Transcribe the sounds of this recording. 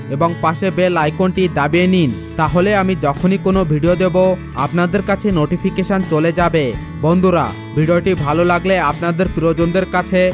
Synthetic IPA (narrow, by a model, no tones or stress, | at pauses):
eboŋpaʃebelajkonʈid̪abienin | t̪aɦoleamid͡ʑɔkʰonikonobʱiɖiod̪ebo | a̰pnad̪eɾkat͡ɕʰenoʈipʰikeʃont͡ɕoled͡ʑabe | bond̪ʱuɾa̰ | bʱiɖioʈibʱalolaɡleapnad̪eɾpɾiod͡ʒond̪eɾkat͡ɕʰe